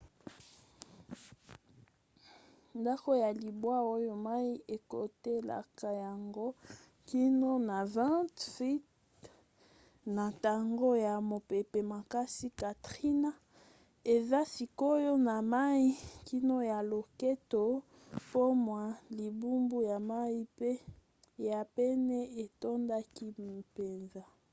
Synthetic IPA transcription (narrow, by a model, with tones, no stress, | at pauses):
nda˦ko˦ja˨li˨bwa˦o˦jo˦ma˦i˦ʔe˨ko˨te˦la̰˨ka˨ja˨ŋɡo˦ | ki˦no˦na˨vã˦tfi˦t | na˨ta˨ŋɡo˦ja˨mo˨pe˨pe˨ma˨ka˦si˦ka˨tʁi˦na˦ | e˨za˦si˨ko˦jo˦na˨ma˦i˦ki˦no˦ja˨lo˨ke˦to˨ | po˦mwa˨li˨bu˦mbu˦ja˨ma˦i˦pe˦ | ja˨pɛ˦nɛ˦e˨to˦nda˦ki˦˨pe˨nza˦